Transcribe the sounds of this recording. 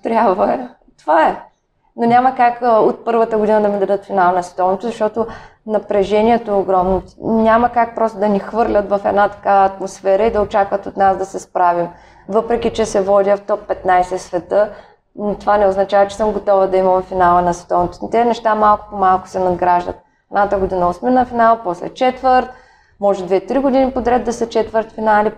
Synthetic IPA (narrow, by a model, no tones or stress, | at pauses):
t̪ɾʲjabvɐɛ | t̪ovaɛ | nonʲamɐkakot̪̚pɤɾvət̪əɡod̪inəd̪ɐmid̪ɐd̪ɤt̪finalˠɐnɐsvɛ̥t̪ɔvnɛt̪ʊzɐʃt̪ɔt̪onɐpɾɛʒɛnʲiɛt̪ooɡɾɔmnʊnʲamɐkak̚pɾɔst̪ʊd̪ɐnixvɤɾlʲət̪vɐfɛ̰d̪nat̪ɐ̥kaːt̪mosfɛɾəid̪ɐot͡ʃakvɐt̪ot̪nasd̪ɐsɛspɾavim | vɤpɾɛkʲit͡ʃɛsɛvɔd̪ʲəft̪ɔpːɛt̪najsɛsvɛt̪ɤ | nt̪ovanɛoznɐt͡ʃavɐt͡ʃɛ̥sɤmɡot̪ɔvəd̪ɐimɐmɛfinalˠənɐsvɛ̥t̪ɔvnt̪o̥snt̪ɛnɛʃt̪amalˠkʊ̥pomalˠkʊ̥sɛnɐd̪ɡɾaʒd̪ə̰t̪̚ | ɛd̪nat̪aɡod̪inəosminɐfinalˠpɔslɛ̰t͡ʃɛt̪vəɾt̪̚ | mɔʒɛd̪vɛt̪ɾiɡʊd̪inipod̪ɾʲɛd̪d̪ːɐsɐt͡ʃɛt̪vəɾt̪finali